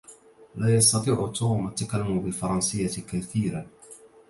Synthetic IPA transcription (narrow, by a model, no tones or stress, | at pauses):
laːjɑst̪ɑt̪ˤiːʕʊt̪ːʊmʔat̪ːakalːʊmʊbɪlfɑɾˤɑnsɪjːakaθiːɾa